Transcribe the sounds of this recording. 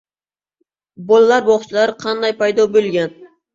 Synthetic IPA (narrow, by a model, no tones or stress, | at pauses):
bɒlˠalaɾbɒχt͡ʃʰɪlaɾqʰɑnd̪ajpʰajd̪ɒbɵlˠɡʲan